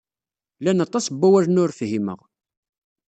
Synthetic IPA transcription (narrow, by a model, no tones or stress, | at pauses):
lænɑt̪ˤːɑsbːæwæɾnʊɾfɦimə̰ʁ